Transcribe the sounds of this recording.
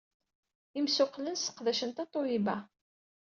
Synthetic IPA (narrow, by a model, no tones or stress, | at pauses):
imsʊqlənsə̥qðæʃənt̪ɑt̪ˤːojibæ